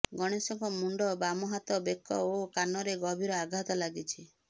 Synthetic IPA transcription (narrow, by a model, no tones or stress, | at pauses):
ɡɔɽ̃esɔŋkɔmuɳɖɔbamɔɦat̪ɔbekʰːɔ̰okanɔɾeɡɔbʱiɾɔaɡʱat̪ɔlaɡit͡ʃʰi